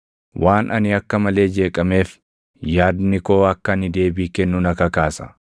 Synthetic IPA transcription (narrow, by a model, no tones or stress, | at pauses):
wʔaːnʔɐnɪɐkːɐmɐle̞ːd͡ʒe̞ːkʼɐme̞ːf | jaːd̪nɪko̞ːɐkːɐnɪd̪e̞ːbiːkɛnːʊnɐkɐkaːsɐ̥̰